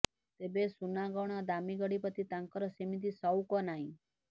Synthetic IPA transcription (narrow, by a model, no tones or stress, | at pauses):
t̪ebesunaɡɔɳ̃ad̪amiɡəɽipət̪ʰit̪aŋkəɾɔsemit̪̬isɔwkɔnaɦĩ